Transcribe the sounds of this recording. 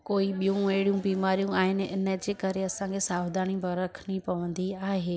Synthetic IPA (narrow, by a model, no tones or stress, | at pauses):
koːiɓijũeɦɪɽijũbiːmaːɾijũaːɦɪnɪ̆ɪ̰nəd͡ʑeːkɐɾeɐsãːŋkʰesaːʋd̪aːɽ̃ĩbɐɾɐkʰnipɐʋə̃nd̪iaːɦeː